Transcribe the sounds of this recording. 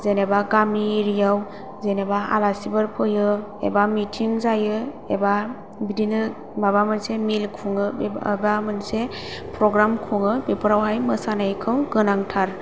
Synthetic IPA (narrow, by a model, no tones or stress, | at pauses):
zenebaɡamiɾijaw | zenebaa̰lasibɯɾpʰɯjɯ | ḛbamitʰiŋzajɯ | eba | bidinɯ | mabamɯnsemilkʰuŋɯbamɯnse | pʰɾɔɡɾamkʰuŋɯpepʰəɾawɦajmɯsanajkʰɯwɡɯnaŋtʰaɾ